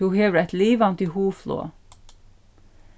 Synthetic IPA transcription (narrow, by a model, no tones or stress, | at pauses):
uheːʋɾæt̪liːʋɑnt̪iːhuːflo̰ː